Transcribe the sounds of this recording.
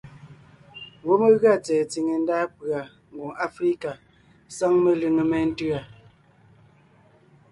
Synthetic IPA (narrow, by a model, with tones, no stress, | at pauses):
wo˦me˦ɣɰa˦˨t͡sɛː˨t͡si˨ŋe˨n̩˦daː˦pɰa˨ | ŋ˨ɡo˨ŋa˦fɾi˦ka˨ | sa˦ŋme˦lɨ˦ŋə˨mɛ˦n̩˦tɯ˦a˨